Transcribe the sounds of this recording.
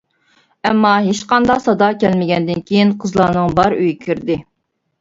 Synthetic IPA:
ɛmːɑɦeʃqɑnd̪ɑqsɑd̪ɑkʲɛlmɪɡʲɛnd̪ɪnkʲʰejinqʰəzlˠɑːnɨŋbɑɾyjikʲʰyɾd̪ɪ

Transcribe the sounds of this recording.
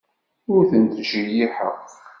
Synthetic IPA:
ʊɾθənt̪ʒijiħə̰q

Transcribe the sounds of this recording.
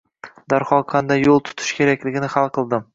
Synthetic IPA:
d̪aɾχɒlˠqʰɑnd̪ajːolˠt̪ʰʊ̥t̪ʰɪ̥ʃkʲʰe̞ɾakʲlɪɡʲɪnɪχalˠqʰɨlˠd̪ɪm

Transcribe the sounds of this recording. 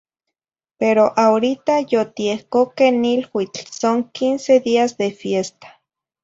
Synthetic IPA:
peɾoʔaoɾit̪ajot̪iehkokenilwit͡ɬsoŋkinseðiazðefjest̪ḁ

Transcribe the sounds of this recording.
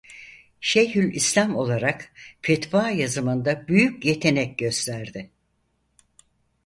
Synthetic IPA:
ʃejɦylʲislʲamo̞lˠaɾakfet̪vaːjazɯmɯnd̪abyjycje̞t̪ʰe̞nɛc̚ɟø̞st̪ʰæɾd̪ɪ

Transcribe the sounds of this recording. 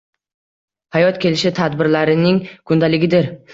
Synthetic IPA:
hajɒt̪kʲʰe̞lɪʃɪt̪ʰad̪bɪɾlaɾɪnɪŋkʰʊnd̪alɪɡʲɪd̪ɪɾ

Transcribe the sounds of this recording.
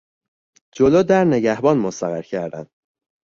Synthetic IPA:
d͡ʒoloːd̪æɾne̞ɟæhbɒnmost̪æɣæɾcʰæɾd̪ænd̪̥

